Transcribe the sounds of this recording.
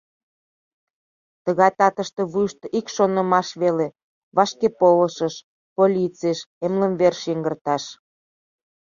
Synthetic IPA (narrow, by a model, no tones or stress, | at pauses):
t̪əɣɑjt̪ɑt̪əʃt̪e̽βujʃt̪ʔikʃonə̆mɑʃβele | βɑʃkepoləʃəʃ | polʲit͡seʃemləmβerʃiŋɡərt̪ɑʃ